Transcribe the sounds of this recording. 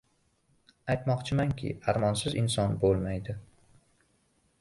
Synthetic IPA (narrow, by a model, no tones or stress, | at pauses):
ajt̪mɒqt͡ʃʰɪmaŋkʲʰɪ̰aɾmɒnsɪzɪnsɒnbolˠmajd̪ɪ